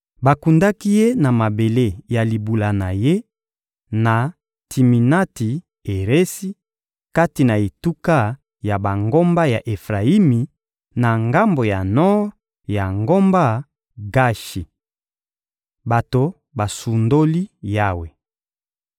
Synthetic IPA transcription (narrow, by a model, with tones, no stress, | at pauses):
ba˨ku˨nda˦ki˦je˦na˨ma˨be˨le˦˨ja˨li˨bu˨la˨na˨je˦ | na˨ | tʰi˨mi˨na˦ti˨ | e˨ʁe˦si˦ | ka˦ti˨na˨e˨tu˦ka˦ | ja˨ba˨ŋɡo˦mba˦ja˨ʔe˨fʁa˨i˦mi˨ | na˨ŋɡa˦mbo˨ja˨nɔ˦ʁ | ja˨ŋɡo˦mba˦ | ɡa˦ʃi˨ | ba˨to˨ | ba˨su˨ndo˦li˦ja˦we˨